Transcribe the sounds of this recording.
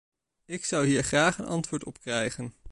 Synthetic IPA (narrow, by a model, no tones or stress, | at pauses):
ɪksɑwɦiːɹχraːχənɑ̰ntʋʊːɹtɔ̰pkrɛjχən